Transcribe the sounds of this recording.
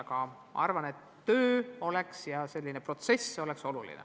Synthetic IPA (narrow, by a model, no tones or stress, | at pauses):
ɑkɑ | ʔɑ̰ɑrvɑne̞t̪ːø̞ːo̞le̞ksjɑse̞lʲːinepro̞t̪se̞so̞le̞kso̞lulḭnḛ